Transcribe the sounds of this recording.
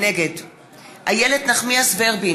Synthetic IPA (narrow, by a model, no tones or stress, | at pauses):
neɡed | hajelednaχmiasveːʁbi